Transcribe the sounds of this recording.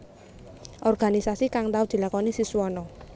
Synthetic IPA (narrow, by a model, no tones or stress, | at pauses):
ʔɔrɡ̥a̤nisasikaŋt̪aud̪̥i̤lakɔnisisuwɔnɔ